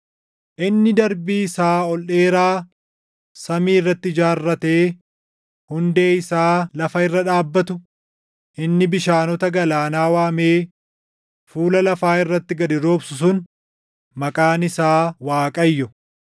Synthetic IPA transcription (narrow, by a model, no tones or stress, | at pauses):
ʔɪnːɪd̪ɐɾbiːsaːɔlʔe̞ːɾaː | sɐmiːɪrːɐt̪ːɪd͡ʒaːrːɐt̪eː | hʊnd̪e̞ːɪsaːlɐfɐɪrːɐᶑaːbːɐt̪ʊ | ʔɪnːɪbɪʃaːnɔt̪ɐɡɐlaːnaːwaːmeː | fuːlɐlɐfaːɪrːɐt̪ːɪɡɐd̪ɪɾoːbsʊs̬ʊn | mɐkʼaːnɪsaːwaːkʼɐjːɔ